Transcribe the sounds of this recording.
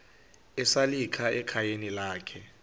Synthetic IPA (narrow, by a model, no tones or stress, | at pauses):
ɛsalikʰaɛkʰajenilaːkʰɛ